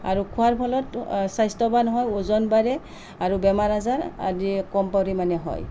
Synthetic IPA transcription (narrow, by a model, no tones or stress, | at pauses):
a̰ɹukʰuaɹpʰɔlɔtsajstɔbanɔɦɔjuzɔnbaɹɛ | aɹubɛmaɹazaɹa̰zikɔmpawɹimanɛɦɔ̰j